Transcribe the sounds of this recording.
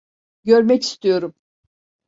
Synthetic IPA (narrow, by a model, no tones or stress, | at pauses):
ɟøɾmɛci̥st̪ʰijo̞ɾum